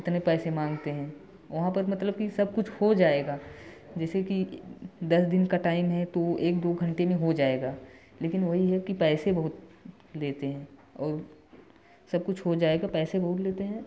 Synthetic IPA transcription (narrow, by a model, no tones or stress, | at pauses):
ɪt̪nepɛːsemãːŋɡt̪eɦɛ̃ː | ʋɐɦãpɐɾmɐt̪ləb̚kisɐb̚kʊt͡ʃʰhod͡ʒaːeːɡaː | d͡ʒɛːsekid̪ɐsd̪ɪnkaʈaːɪmɦɛt̪oeːk̚d̪oːɡʱɐ̃ɳʈemẽɦod͡ʒaːeːɡaː | leːkɪnʋɐɦiɦɛkipɛːsebɐɦʊt̪ | leːt̪eɦɛ̃ːɔːɾ | sɐb̚kʊt͡ʃʰɦod͡ʒaːeːɡapɛːsebɐɦʊt̪̬leːt̪eɦɛ̃ː